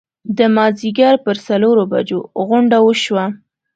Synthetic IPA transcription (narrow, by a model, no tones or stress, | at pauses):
d̪əmɑziɡaɾpəɾsaloɾoba̰d͡ʒoɣʊɳɖawəʃwa